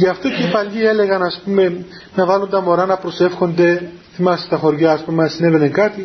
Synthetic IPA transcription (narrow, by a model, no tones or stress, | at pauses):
jɐft̪o̞cepɐlie̞le̞ɣɐnɐspume̞ | nɐvɐlond̪ɐmo̞ɾɐnɐpɾo̞se̞fxo̞nd̪e̞ | θimɐsi̥t̪ɐxo̞ɾʝɐːspume̞nɐsine̞ve̞neŋkɐt̪i